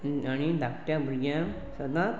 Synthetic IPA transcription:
añid̪ʱakʈjãbəɾɡjã | səd̪ã

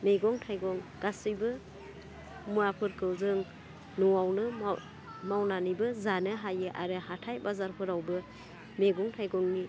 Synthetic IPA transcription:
meɡɔŋtʰajɡɔŋɡ̥asɯjbɯ | muɾapʰɯɾkʰɯwzɯŋ | nɔwawnɯ | mawnanibɯzanɯɦajɯʔaɾɯhatʰajbazaɾpʰɯɾawbɯ | meɡɔŋtʰajɡɔŋni

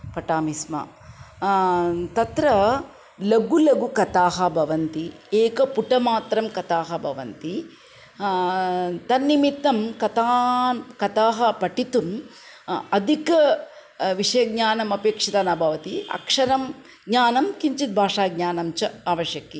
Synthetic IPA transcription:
pɐʈaːmismɐ̰ | t̪ɐt̪ɾɐ | lɐɡulɐɡukɐt̪aːɦɐbʱɐʋɐnt̪ieːkɐpuʈɐmaːt̪ɾɐmkɐt̪aːɦɐbʱɐʋɐ̰nt̪i | t̪ɐnːimit̪ːɐmkɐt̪aːkɐt̪aːɦɐpɐʈit̪um | ɐd̪ʱikɐ | ʋiʂɐjɐɡ̚ɲaːnɐmɐpeːkʂit̪ɐːnɐbʱɐʋɐt̪iɐ̰kʂɐɾɐm | ɡɲaːnɐmkiɲt͡ʃit̪̚bʱaːʂaːɡ̚ɲaːnɐmt͡ʃɐaːʋɐʃjɐkːi

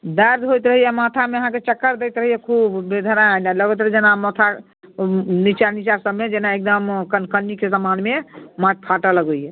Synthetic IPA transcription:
d̪əɾd̪ɦojt̪ɾəɦijɛmat̪ʰameəɦãket͡ʃəkːəɾd̪ɛjt̪ɾəɦijɛkʰubːed̪ʱəɾanaləɡət̪ɾəɦid͡ʒenamət̪ʰa | nit͡ʃanit͡ʃasəbmed͡ʒenaek̚d̪əmkənkənːikesəmanmemat̪̚ʰpʰaʈaləɡəjjɛ

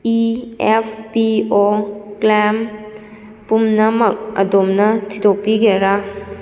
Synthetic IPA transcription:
iepʰpiɔklem | pumnɐmɐk̚ɐ̰domnɐtʰidopiɡeɾa

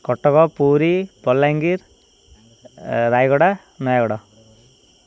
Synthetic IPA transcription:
kɔʈːɔkɔpuːɾipɔlːaŋɡiɾ | ɾajɡɔɽa | nɔjaɡɔɽɔ

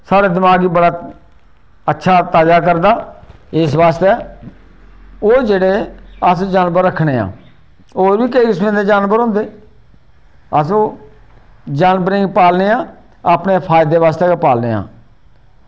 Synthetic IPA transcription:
saːɽeːd̪ɪmaːɡiːbəɽaː | ətːʃʰaːt̪aːd͡ʒaːkəɾd̪aːɪsʋaːst̪eː | oːd͡ʒeːɽeːəsd͡ʒaːnbəɾːəkʰːɳeːa̰ː | oːɾʋiːkəismẽːd̪eːd͡ʒaːnbəɾõːnd̪eː | əsõː | d͡ʒaːnbəɾĩːŋɡpaːlneːãː | aːpneːpʰaːjd̪eːʋaːst̪eːkːpaːlnḛːa̰ː

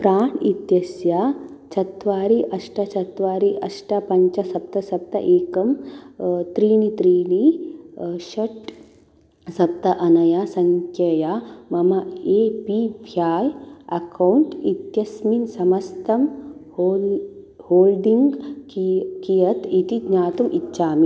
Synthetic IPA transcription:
pɾaːɳit̪jɐsjat͡ʃʰɐt̪ʋaːɾiʔɐʂʈɐt͡ʃɐt̪ʋaːɾiʔɐʂʈapɐɲt͡ʃɐsɐp̚t̪ɐsɐp̚t̪ɐʔeːkɐm | t̪ɾiːnit̪ɾiːni | ʃɐʈ | sɐp̚t̪ɐʔɐnɐjasɐŋkʰjɐjamɐmɐeːpibʱjaːjɐ̰kɐwuɳʈit̪jɐsminsɐmɐst̪ɐm | o | hoːlɖiŋɡ | kijɐt̪it̪iɡɲaːt̪umʔitːʃaːmi

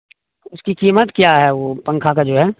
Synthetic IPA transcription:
ʊskikiːmət̪kjaɦɛʋopɐ̃ŋkʰakad͡ʒoːɦɛː

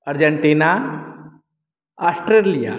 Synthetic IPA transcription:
əɾd͡ʑəɳʈina | asʈɾelija̰

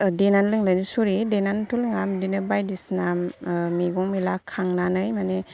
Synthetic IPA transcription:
denanlɯŋlajnisuɾidenantʰulŋamdinɯbajdisnammiɡɔŋmilakʰːaŋnanɯjmane

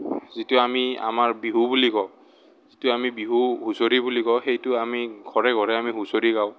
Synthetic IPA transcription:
zitʊamia̰maɹbiɦubulikɔw | z̥itʊamibiɦuhusoɹibulikɔwxejtʊamiɡʱɔɹɛɡʱɔɹɛamiɦusoɹiɡaʊ̃

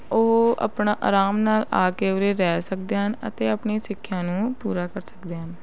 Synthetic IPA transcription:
ʊɦa̰pɳaːʔa̰ːɾaːmnaːla̰ːkeːʊɾeːɾɛːsək̚d̪eːɦənə̰t̪eːəpɳiːsɪkʰːjãːnũːpuːɾaːkəɾsə̥kd̪eːɦən

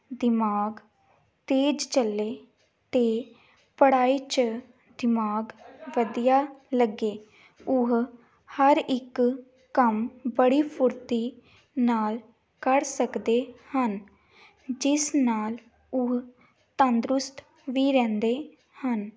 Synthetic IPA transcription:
d̪ɪmaːɡ | t̪eːd͡ʒt͡ʃəlːeː | t̪eː | pəɽaːiːt͡ʃ | d̪ɪmaːɡʋəd̪ijaːləɡeː | ʊɦ | həɾɪk | kəmbəɽiːpʰʊɾt̪iː | naːl | kəɾsəkd̪eːhən | d͡ʒɪsnaːl | ʊɦ | t̪ə̃nd̪ɾʊst̪ʰ | ʋiːɾɛ̃ːnd̪eː | hən

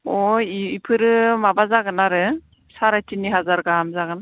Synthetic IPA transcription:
ɔjiipʰɯɾɯmabazaɡɯnaɾɯ | saɾajtiniɦazaɾɡamzaɡɯna

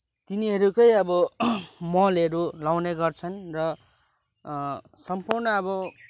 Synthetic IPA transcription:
t̪iniɦʌɾukʌjʌbʌmʌleɾulawneɡʌrt͡sʰʌnrʌ | sʌmpurnʌʌbʌ

